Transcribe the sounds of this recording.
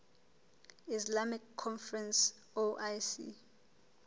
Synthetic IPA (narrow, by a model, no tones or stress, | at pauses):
islamikʰːɔnfrɛns | oʔajsḭ